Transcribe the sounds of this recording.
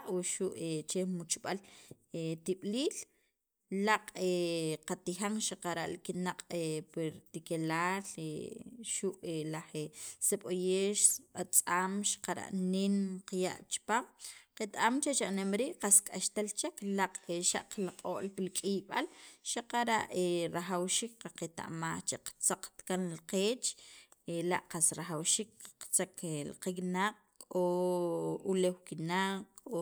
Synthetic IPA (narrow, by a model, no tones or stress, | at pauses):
wiʃuʔet͡ʃemut͡ʃɓal | et̪iɓ̥liːl | laqʼeqat̪ixaŋʃaqaɾa̰ʔlikinaqʼepiɾt̪ikelaːlḛʃuʔelaχeseɓojeːʃat͡sʼaːmʃḁqaɾa̰ʔninqaja̰ʔt͡ʃi̥paːmqet̪aʔamt͡ʃet͡ʃaʔnemɾiːʔqaskʼaʃt̪alt͡ʃeklaqeʃa̰ʔqlaqʼoːʔlpilkʼiɓalʃaqaɾaʔeɾaχawʃiːk̚qaqet̪a̰ʔmaχt͡ʃeqt͡saq͡χt̪kanlqeːt͡ʃela̰ʔqasɾaχawʃik̚qt͡saklqeknaq̚ʼ | kʼo | ulewkinaqʼo